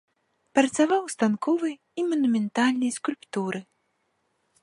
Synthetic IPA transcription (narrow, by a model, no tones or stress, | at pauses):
pɾɐt̪savawst̪ankʰɔvɨj | imɐnumʲɛnt̪alʲnɐjskulʲpt̪uɾɨ